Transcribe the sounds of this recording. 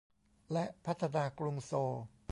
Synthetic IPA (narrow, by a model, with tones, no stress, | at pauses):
lɛ˦˥ʔpʰa˦˥t̪ʰːa˧naː˧kɾu˧ŋsoː˧